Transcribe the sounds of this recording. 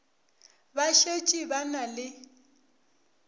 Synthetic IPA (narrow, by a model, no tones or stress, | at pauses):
baʃet͡ʃʼibanalɪ